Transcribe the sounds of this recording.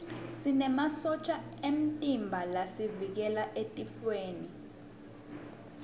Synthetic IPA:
sinɛmasɔt͡ʃʰʼaem̩tʼimbʱalasivik̬ɛlaʔetʼifweːni

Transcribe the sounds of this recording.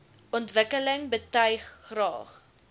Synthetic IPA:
ɔntvəkələŋbətœɥχːrɑ̰ːχ

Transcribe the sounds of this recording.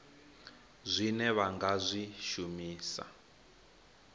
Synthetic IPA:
zʷinɛβaŋɡazʷiʃumiːsa̰

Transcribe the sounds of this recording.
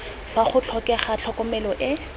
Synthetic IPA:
faχʊt͡ɬʰɔkɛχat͡ɬʰɔkɔmɛlɔʔɪ

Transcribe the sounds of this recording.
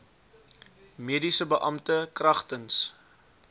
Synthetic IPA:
miədisəbəʔɐmtəkrɐχtəns

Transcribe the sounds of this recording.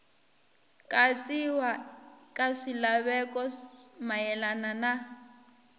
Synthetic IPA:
kʼat͡sʼiwakʼaʂilaβɛkʼɔmajɛlanana

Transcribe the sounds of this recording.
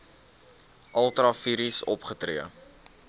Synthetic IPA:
ʔɐlˠtɾɑfiɾisɔpχətriə

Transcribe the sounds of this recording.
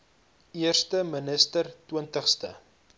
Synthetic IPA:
iərstəmənəstərtwiəntəχstə̰

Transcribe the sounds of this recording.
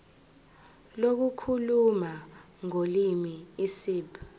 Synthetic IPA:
lok̬ukʰuluma | ŋolimiisiːp

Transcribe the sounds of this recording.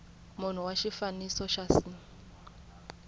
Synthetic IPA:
mun̤uwaʃifanisɔʃasi

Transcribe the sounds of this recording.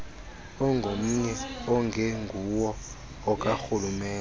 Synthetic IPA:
ɔŋɡʱom̩ɲɛɔŋɡʱɛŋɡʱuwɔ | ɔk̬ʼaxulumɛː

